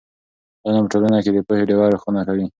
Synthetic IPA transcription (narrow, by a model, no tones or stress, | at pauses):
d̪ɑnapəʈolanaked̪əpəheɖewɑɾexunakawi